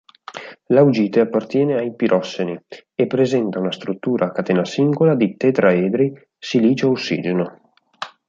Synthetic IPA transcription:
lawd͡ʒiːt̪eapːart̪jɛːneajpiɾʔɔsːeniepːɾezɛnt̪aunast̪ɾut̪ːuːɾʔakat̪eːnasiŋɡolad̪it̪et̪ɾaeːd̪ɾi | siliːt͡ʃoausːḭːd͡ʒeno

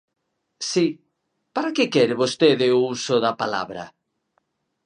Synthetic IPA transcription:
si | paɾakekɛɾeβost̪eðeousoðapala̰βɾɐ̰

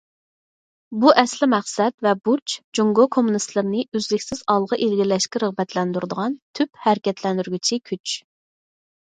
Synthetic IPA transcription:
buʔɛslɪmæχsɛt̪vɛbuɾt͡ʃd͡ʒuŋɡokʰomunɨst̪lˠɨɾɪnɨʔyzlɪkʲsɪz̥ɑlˠʁɑʔilɡʲilɛʃkʲɛɾəʁbɛt̪ʰlɛnd̪yɾd̪əʁɑnt̪ʰyphæɾɪkʲɛt̪ʰlɛnd̪yɾɡʲyt͡ʃʰikʲʰyt͡ʃ

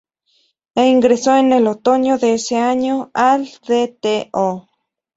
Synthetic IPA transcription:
eiŋɡɾesoenelot̪oɲoðeeseaɲoald̪et̪eʔo

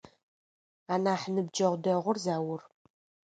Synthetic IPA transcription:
aːnaːħnɨb̚d͡ʒɐʁʷdɐʁʷʊrzaːwʊr

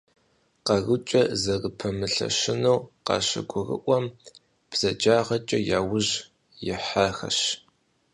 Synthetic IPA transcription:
qɐɣʊt͡ʃʼɐzɐrɨpʰɐmɨɬɐ̰ʃɪnowqɑ̰ɕɪ̰ɡʷʊrɨ̰ʔʷɔm | b̥z̥ɐd͡ʒaːʁɐt͡ʃʼɐjaːwʊʑ | jɪħaxɐ̰ɕ

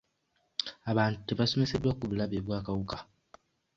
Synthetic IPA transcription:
aβaːntuteβaso̞me̞sedwakuβulaβeβwaːkawukḁ

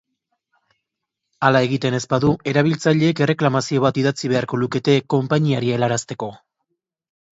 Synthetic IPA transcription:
alae̞ɣit̪e̞ne̞spaðue̞ɾaβ̞ilt͡saʎe̞ːke̞re̞klamasio̞β̞at̪iðat͡siβ̞e̞aɾko̞luke̞t̪e̞ko̞mpaɲiaɾie̞laɾast̪e̞ko̞

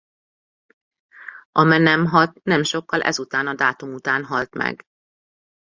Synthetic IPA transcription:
ɒmɛnɛmɦɒlt̪nɛmʃo̞kːɒlʔɛ̰zut̪aːnɒd̪aːt̪umut̪aːnɦɒlt̪mɛ̰ɡ

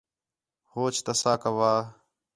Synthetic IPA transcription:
hoːt͡ʃʰt̪əsaːkəʋaː

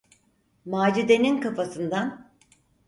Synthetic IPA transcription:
maːd͡ʒid̪eninkafasɯnd̪an

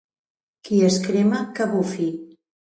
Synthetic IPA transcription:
kiəskɾemakaβufi

